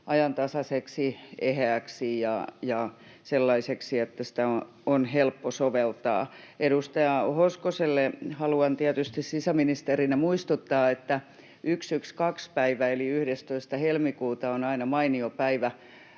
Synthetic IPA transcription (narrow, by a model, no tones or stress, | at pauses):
ʔɑjɑnt̪ɑsɑseksiehææːˑksijɑ̰jɑ | selːɑiseksiet̪ːæsĭ̥t̪æo | onhelpːosoʋelt̪ɑ̰ː | eɾust̪ɑjɑhoskoselːehɑluɑnt̪iæt̪yst̪issisæminist̪erinemuist̪ut̪ːɑːet̪ːæ | ʔyksykskɑkspæiʋæeliyhɾest̪oist̪ɑhelmikuːt̪ɑonɑinɑmɑiniopæiʋæ